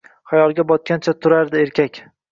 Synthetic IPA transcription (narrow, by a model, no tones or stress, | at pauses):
χajɒlˠɡʲabɒt̪̚kʲʰant͡ʃʰat̪ʰʊɾaɾd̪ɪe̞ɾkʲʰakʲ